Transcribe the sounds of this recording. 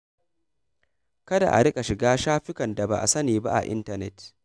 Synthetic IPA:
kɐ˦da̰˨ʔa̰˨ɽɪ˦kʼa˨ʃɪ˨ɡaː˦ʃaː˦ɸɪ˦kɐ˨nda˨ba̰˨ʔa̰˨sɐ˦niː˨ba̰˦ʔa̰˨ʔɪ̰˦ntɐ˨nɛ˦˨t

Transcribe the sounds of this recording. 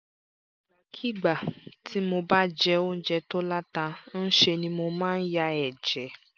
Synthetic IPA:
kʰi˦ɡ͡ba˨tʰi˨˦mo˧ba˦d͡ʒɛ˧˦o˦n̩˦d͡ʒɛ˧to˦la˦ta˧n̩˦ʃe˧nĩ˧mo˧mãː˦n̩˦ja˧ɛ˨d͡ʒɛ˨˦

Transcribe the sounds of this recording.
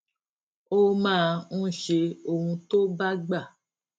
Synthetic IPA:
o˦mãː˦˧n̩˦ʃe˧o˨hũ˧to˦ba˦ɡ͡ba˦˨

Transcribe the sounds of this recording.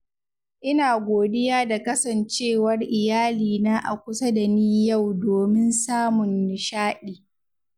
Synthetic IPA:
ʔɪ˦naː˨ɡʷoː˨dɪ˦jaː˦da˨kɐ˦sɐ˨nt͡ʃeː˦˨wɐ˦rʔɪ˨jaː˦liː˨naː˦ʔa̰˨kʷʊ˦sɐ˦da˨niː˦ja˦˨wdoː˨mɪ˦nsaː˦mʊ˨nːɪ˨ʃaː˦ɗiː˨

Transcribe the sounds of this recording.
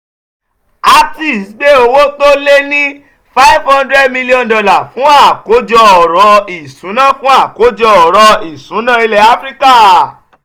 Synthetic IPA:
a˧ti˨sɡ͡be˦o˧wo˦to˦le˦nĩ˦ | fa˦i˦vhã˧ndɾɛ˦dmĩ˧li˦ɔ̃˦˨n˨dɔ˧la˨fũ˦a˦˨ko˨˦d͡ʒɔ˧ɔ˨ɾɔ˧i˨sũ˨˦nã˦˨fũ˦a˦˨ko˨˦d͡ʒɔ˧ɔ˨ɾɔ˧i˨sũ˨˦nã˦i˧lɛ˧a˦fɾi˦ka˦˨

